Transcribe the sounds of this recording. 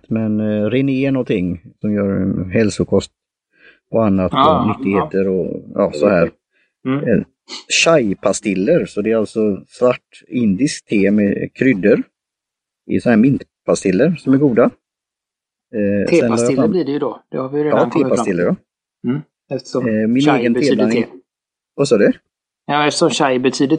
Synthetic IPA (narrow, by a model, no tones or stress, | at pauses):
t̪mɛnɾɪneːənɔnt̪ʰɪŋːsɔmjœːɾɦɛlsʊkʰɔst̪ | ɔanːat̪nʏt̪ːɪɡheːt̪əɾɔjɑ̰ːsɔhæːɾ | ɕajpʰast̪ɪlːəɾsɔd̪ɛːɾalt̪sɔsvaʈː | ɪnd̪ɪskt̪ʰeːmɛkʰɾʏd̪ːəɾ | ɪ̰sɔnhæːɾmɪnt̪pʰast̪ɪlːəɾsɔmæɾɡuːd̪a | sːɛnhaɾj̪iːdɛjd̪ɔd̪̥ɛhaɾvɪjɾeːɑːt̪ʰeːpapt̪ɪlːəɾɔ | ɛt̪mɪneːɡənt̪eːla | vasɔːɖɛ | jɑːɛft̪əʂɔmɕajbɛt̪ʰyːd̪ə